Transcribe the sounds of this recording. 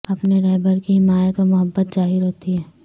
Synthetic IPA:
ɐpneɾɛːbəɾkiɦɪmaːjət̪omʊɦəbːət̪zaːɦɪɾɦoːt̪iɦɛː

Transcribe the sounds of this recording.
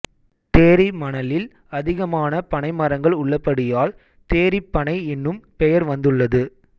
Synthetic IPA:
t̪eːɾɪmɐɳɐlɪl | ɐðɪɣɐmaːnɐpɐɳɐɪmɐɾɐŋɡɐɭʊɭːɐpːɐɽɪjaːl | t̪eːɾɪpːɐɳɐɪɛnːɯmpɛjɐɾʋɐnd̪ɯɭːɐðɯ

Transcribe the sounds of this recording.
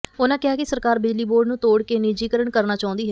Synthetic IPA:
onãːkɪaːkɪsəɾkaːɾbɪd͡ʒliːboːɾɖnũːt̪oːɽkeːnɪd͡ʒiːkəɾəɳkəɾnaːt͡ʃaːʊ̃nd̪iːɦɛː

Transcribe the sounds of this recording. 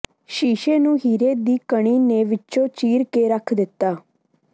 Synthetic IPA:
ʃiːʃeːnũːɦiːɾeːd̪iːkəɽ̃iːneːʋɪt͡ʃõːt͡ʃiːɾkeːɾəkʰd̪ɪt̪ːaː

